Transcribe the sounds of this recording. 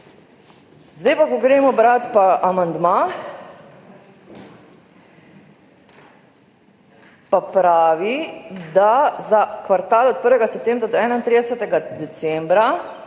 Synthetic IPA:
zd̪ɛjpakɔɡɾeːmɔbɾat̪paʔamand̪ma | papɾaːʋid̪azakʋaɾt̪aːlɔt̪̚pəɾʋɛɡasɛp̚t̪eːmbɾad̪ɔɛːnaint̪ɾid̪ɛsɛt̪ɛɡad̪ɛsɛmbɾa

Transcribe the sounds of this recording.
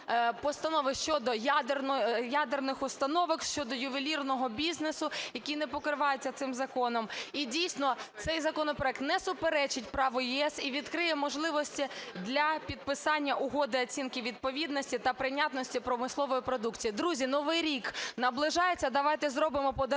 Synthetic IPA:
pɔst̪ɐnɔʋɪʃt͡ʃɔd̪ɔjad̪rnjad̪ernɪxʊst̪ɐnɔʋɪkʃt͡ʃɔd̪ɔjʊʋilʲirnɔɦɔbʲiznesʊjɐkʲinɛpɔkɾɪʋɑjet͡sʲːɐt̪sɪmzɐkɔnɔmidʲijsʲnɔt̪sɛjzɐkɔnɔpɾɔɛk̚t̪nɛsʊpeɾɛt͡ʃɪtʲpɾɑʋʊjiɛsiʋʲid̪kɾɪjɛmɔʒlˠɪʋɔsʲtʲid̪lʲɐpʲid̪̚pɪsɑnʲːɐʔʊɦɔd̪ɪɐt͡sʲinkɪʋʲid̪̚pɔʋʲid̪nɔsʲtʲit̪ɐpɾɪnʲat̪nɔsʲtʲipɾɔmɪslˠɔʋɔjipɾɔd̪ukt͡sʲijid̪ɾuzʲinɔʋɪjɾʲiknɐblˠɪʒɑjet͡sʲːɐd̪ɐʋɑjt̪ɛzɾɔbɪmɔpɔd̪

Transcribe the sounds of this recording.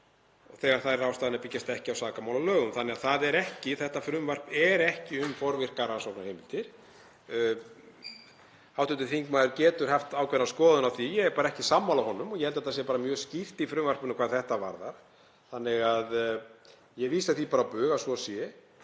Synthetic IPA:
ɔθɛɣaɾ̥θaaːwst̪aːðɪnaɾpɪcːast̪ɛhcɪawsaːkamaːwlalœːɣʏmθanːɛɣaðθaðɛɾɛhcɪθɛht̪afɾʏmvar̥pɛɾɛhcɪʏmfɔɾvɪr̥karansɔwknaɾhejmɪnt̪ɪɾ̥ | hawt̪ʏnt̪ɪθiŋkmaðʏɾcɛːt̪ʏɾ̥hɛft̪aːwkʰvɛɾnaskɔːðʏnawθijɛɣɛɾpaːɾaɛhcɪsamːalawhɔnːʏmɔɣjɛhɛlt̪aɛt̪asjɛpaɾamjœːscir̥t̪ifɾʏmvar̥pʏnʏkʰvaːðθɛht̪ava̰ɾða̰ɾ̥ | θanːɪɣað | jɛɣviːsaθipaːɾapʏːɣasvɔsjɛ

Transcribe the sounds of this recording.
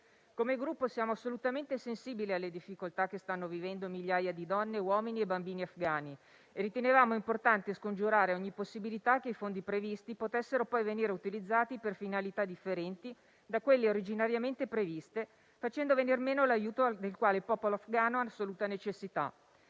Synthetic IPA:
komeɡɾupːosjaːmoasːolut̪ament̪esensiːbilealːed̪ifːikolt̪ak̟ːest̪anːovivɛnd̪omiʎjaːjad̪id̪ɔnːewɔːminiebambiːniafɡaːni | eɾit̪enevaːmoimport̪ant̪iskond͡ʒuɾaːɾeɔɲːiposːibilit̪ak̟ːeifond̪ipɾevist̪ipot̪esːeɾopɔjveniːɾeut̪ilid̪zːaːt̪iperfinalit̪ad̪ifːeɾɛnt̪i | d̪akwelːeoɾid͡ʒinaɾjament̪epɾevist̪e | fat͡ʃɛnd̪ovenirmeːnolajuːt̪od̪elkwaːlepɔːpoloafɡaːnoasːoluːt̪anet͡ʃesːit̪a̰

